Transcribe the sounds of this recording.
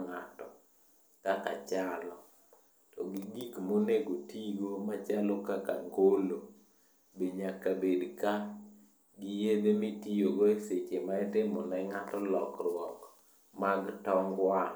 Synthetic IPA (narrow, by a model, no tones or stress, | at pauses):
ŋatɔ | kaka̰t͡ʃalɔ | tɔɡiɡikmoneɡotiɡomat͡ʃalɔkaka̰ŋɡolo | beɲakabedka | ɡijed̪emitijoɡoeset͡ʃemaɪtɪmɔnaɪŋatɔlɔkɾwɔk | maɡtɔŋɡwa